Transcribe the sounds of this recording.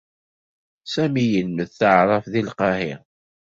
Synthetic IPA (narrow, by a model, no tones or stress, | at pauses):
sæmijənməðθəʕɾˤɑfðilqɑhɪ